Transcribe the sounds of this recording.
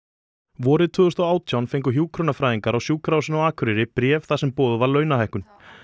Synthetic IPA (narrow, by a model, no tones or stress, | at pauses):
vɔːɾɪðt̪ʰʏːðʏst̪ɔwaːwt̪ʰjawnfejŋk̬ʏɦjuːkʰɾɔnafɾaːjðiŋkaɾawsjuːkʰɾaːwsɪnawaːkʰʏɾɪɾɪpɾjɛːvθasɛmpoːðʏvaɾlœːɥnaɦajhkʏn